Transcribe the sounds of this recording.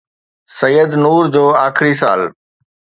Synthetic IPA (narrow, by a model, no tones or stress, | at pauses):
səjəd̪nuːɾd͡ʑoːaːxɪɾisa̰ːl